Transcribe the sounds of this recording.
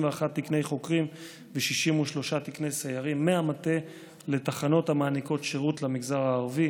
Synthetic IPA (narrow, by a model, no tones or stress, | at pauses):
veaχat̪ːikne̞jχo̞kʁim | veʃiʃimuʃlo̞ʃat̪ikne̞jsejaʁimːeamate̞ | le̞taχano̞thamaːniko̞tʃeʁutlamiɡzaʁaːʁvi